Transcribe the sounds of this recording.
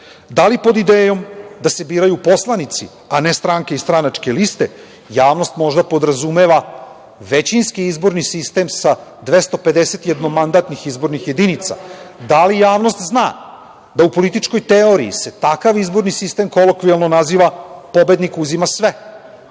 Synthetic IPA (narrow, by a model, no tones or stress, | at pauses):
d̪alipo̞d̪id̪eːjo̞md̪ase̞biːɾajupo̞slˠanit̪si | anest̪ɾaŋke̞ist̪ɾanat͡ʂke̞list̪e̞ | jaːʋno̞st̪mo̞ʒd̪apo̞d̪ɾazume̞ʋa | ʋe̞t͡ɕinskiizbo̞ɾnisist̪e̞msad̪ʋest̪o̞pe̞d̪ese̞t̪jed̪nomand̪aːt̪nixizbo̞ɾnixje̞d̪init̪sa̰d̪alijaːʋno̞st̪znaː | d̪aupo̞lit̪it͡ʃko̞jt̪eo̞ɾḭḭse̞t̪akaʋizbo̞ɾnisist̪e̞mko̞lokʋielno̞naziʋapo̞be̞d̪nikuzimasʋe